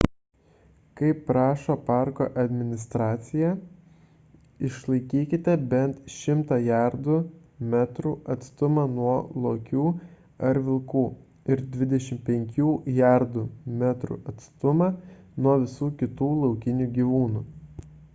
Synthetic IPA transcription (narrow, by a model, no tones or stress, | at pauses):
kɐɪpːɾɑːʃoːpɑˑɾkoːʔɐd̪ʲmʲɪnʲɪst̪ɾɑːt̪sʲɪjæ | ɪʃlˠɐɪkʲiːkʲɪt̪ʲɛbʲɛnt̪ʃʲɪmt̪ɑːjæɾd̪ʊ | mʲæt̪ɾuːɐt̪st̪ʊmɑnuɔlˠoːkʲuː | ɐɾʲʋʲɪlˠkuː | ɪɾd̪ʲʋʲɪd̪ʲɛʃʲɪmpʲɛŋʲkʲuːjæɾd̪ʊmʲæt̪ɾṵʔɐt̪st̪ʊmɑnuɔʋʲɪsuːkʲɪt̪uːlˠɒʊkʲɪnʲuːɡʲiːʋuːnuː